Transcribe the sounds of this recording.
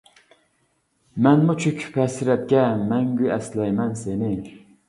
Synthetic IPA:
mɛnmut͡ʃʰykʰʲpʰɛsɪɾɛp̚kʲɛmɛŋɡʲyɛslɛjmɛnsenɪ

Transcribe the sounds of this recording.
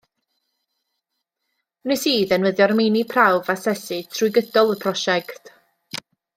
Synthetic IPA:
nɪsiːðənwəðjɔrminipʰrawvasɛsɨtʰrʊjɡədɔlˠəpʰrɔʃɛkt

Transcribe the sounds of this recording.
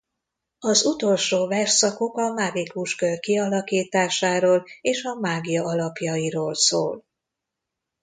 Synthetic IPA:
ɒzut̪o̞lʃoːvɛrʃsɒko̞kɒmaːɡikuʃkørkiɒlɒkiːt̪aːʃaːɾoːleːʃɒmaːɡijɒɒlɒpjɒiɾoːlsoːl

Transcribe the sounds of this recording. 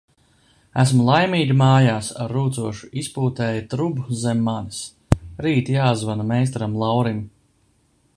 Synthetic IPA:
æsmulˠajmiːɡʲimaːjaːsaɾːuːt̪suɔʃu̥ispuːt̪ɛːjat̪ɾubuzɛmːanis | ɾiːt̪jaːzvanamɛjst̪ɾamlˠawɾim

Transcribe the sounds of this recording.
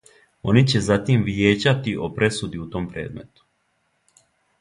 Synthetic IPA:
o̞nit͡ɕe̞zat̪imʋjeːd͡ʑat̪iʔo̞pɾe̞sud̪iut̪o̞mpɾe̞ːd̪me̞̰t̪u̥

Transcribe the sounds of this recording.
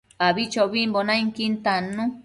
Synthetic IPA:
aβit͡ʃoβimbonãiŋkint̪anũ

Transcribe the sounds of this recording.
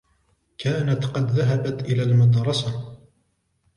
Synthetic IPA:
kaːnat̪qɑd̪ðaɦabat̪ʔɪlaːlmʊd̪ɾˤɑsa

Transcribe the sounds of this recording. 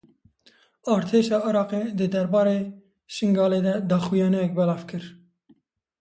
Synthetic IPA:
ɑːɾt̪ʰeːʃɑːɪɾɑːqeːd̪ɨd̪ɛɾbɑːɾeː | ʃɨŋɡɑːleːd̪ɛd̪ɑːxujɑːnɛjɛk̚bɛlɑːvkʰɨɾ

